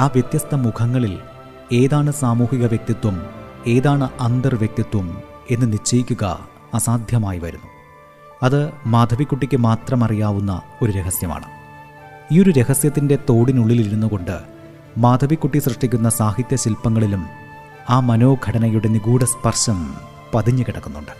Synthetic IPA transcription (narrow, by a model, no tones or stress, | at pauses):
aːʋjet̪jɐst̪ʰɐmukʰɐŋːɐɭil | e̞ːðaːɳɨsaːmuːhiɣɐʋjek̚t̪jɐt̪ːwɐme̞ːðaːɳɨʔɐnd̪ɐrʋjek̚t̪jɐt̪wɐme̞nːɨnit͡ɕːɐjikʲːuɣɐ̰ | ɐsaːd̪ʱjɐmaːjiʋɐɾṵnːu | ɐðɨmaːd̪ʱɐʋikːuʈːikʲːɨmaːt̪rɐmɐrijaːʋunːɐ̰o̞ɾuɾe̞ɦɐsjɐma̰ːɳɨ̰ | iːo̞ɾuɾe̞ɦɐsjɐt̪ːinde̞t̪o̞ːɽinuɭːiliɾunːuɣo̞ɳɖɨ̰ | maːd̪ʱɐʋikːuʈːisrɨʂʈːikʲːunːɐsaːhit̪jɐɕilpːɐŋːɐɭilum | aːmɐno̞ːɡʱɐɽɐnɐjuɽeniɡuːɽɐspɐrʂɐm | pɐd̪ʱiɲːɨkiɽɐkːunːuɳɖɨ̥